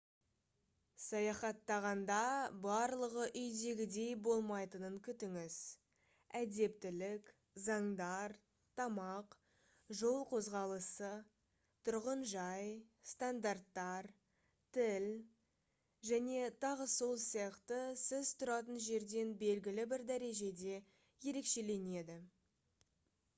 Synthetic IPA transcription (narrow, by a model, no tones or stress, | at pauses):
sɑjɑχɑt̪ːɑʁɑnd̪ɑbɑɾlˠəʁəʔʏjd̪e̞ɡʲɪd̪e̞jbo̞lˠmɑjt̪ənəŋkʲʰʏt̪ɪŋɪz̥ | æd̪e̞p̚t̪ɪlɪk | zɑɴd̪ɑɾ | t̪ʰɑmɑq | ʒo̞lˠqʰo̞zʁɑlˠəsə | t̪ʰʊɾʁənʒɑjst̪and̪art̪ːɑɾ | t̪ʰɪl | ʒæne̞t̪ʰɑʁəso̞lˠsijɑqt̪əsɪzt̪ʰʊɾɑt̪ənʒe̞ɾd̪e̞nbe̞lɡʲɪlɪbɪɾd̪æɾe̞ʒe̞d̪e̞ | je̞ɾe̞kʃe̞le̞ne̞d̪ɪ